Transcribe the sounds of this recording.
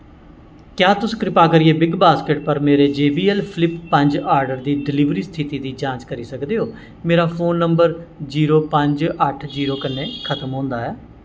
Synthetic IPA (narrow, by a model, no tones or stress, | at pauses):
kjaːt̪ʊsːkɾɪpaːkəɾieːbɪɡbaːskəʈ̚pəɾmeːɾeːd͡ʒeːbiːɛlpʰlɪpːəɲd͡ʒaːɾɖəɾd̪iːɖɪliːʋɾiːst̪ʰɪt̪iːd̪iːd͡ʒãːt͡ʃkəɾiːsəkd̪eːɦoː | meːɾaːpʰoːnːəmbəɾd͡ʒiːɾoːpəɲd͡ʒəʈʰd͡ʒiːɾoːkəneːkʰət̪əmɦõːnd̪aːɛː